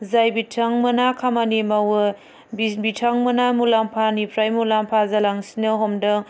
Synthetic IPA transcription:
zajbitʰaŋmɐnakʰamanimawɐ | bibitʰaŋmɐnamulampʰanipʰɾajmulampʰazalaŋsinɐɦomdɐŋ

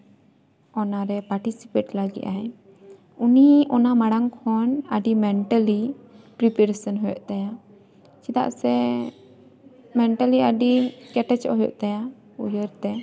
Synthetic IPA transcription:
ɔnaɾɛpaɾʈisipeʈlaɡḭʔaɛ | uniɔnamaɽaŋkʰɔnaɖimɛɳʈalipɾipɛɾesənɦɔjɔ̰ʔt̪aja | t͡ʃit̪a̰ʔsɛ | mɛɳʈəliaɖikɛʈɛt͡ʃɔ̰ɦɔjɔ̰ʔt̪aja | ujəɾt̪ɛ

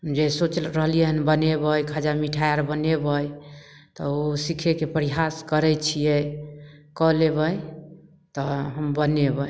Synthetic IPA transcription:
d͡ʒesot͡ʃlɾəɦlijɛɦənbənebəjkʰad͡ʒamiʈʰajaɾbənebəj | t̪ɔosikʰekepəɾiɦaskəɾɛt͡ʃʰijɛ | kɔleβəj | t̪ɔɦəmbənebə

